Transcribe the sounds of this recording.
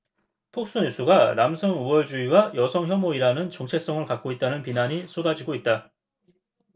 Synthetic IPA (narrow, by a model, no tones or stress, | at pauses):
pʰok̚s͈unis͈ʰuɡanamsʰʌŋuwʌɭd͡ʑuiwajʌsʰʌŋçjʌmoiɾanɯnt͡ɕʌŋt͡ɕʰe̞s͈ʌŋɯɭkak̚k͈oit̚t͈anɯnpinaɲis͈ʰodad͡ʑiɡoit̚t͈a